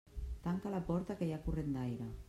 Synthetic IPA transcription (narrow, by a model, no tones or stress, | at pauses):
t̪aŋkalapɔɾt̪akejakuret̪d̪ajɾa